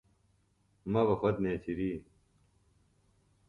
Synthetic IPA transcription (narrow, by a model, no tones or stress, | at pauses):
mɐbɐxɐd̪neːt͡ɕʰiɾiː